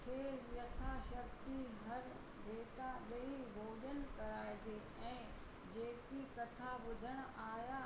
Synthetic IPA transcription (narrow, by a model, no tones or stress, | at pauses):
kʰeːʋjɐt̪ʰaʃɐkt̪iɦɐɾ | ʋʱeːt̪aɗɐibʱoːʄən̆kɐɾaːet̪ʰeː | ɛ̃ː | d͡ʑeːkikɐt̪ʰaʋʊd̪ʱəɽ̃ʊaːja